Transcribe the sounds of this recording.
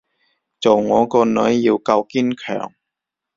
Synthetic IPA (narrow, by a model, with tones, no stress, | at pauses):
t͡so˨˩wŋɔː˨˧kɔː˧nɵ˨˥jːiː˧wkɐ˧wkiː˥nkʰœ̰ː˨˩ŋ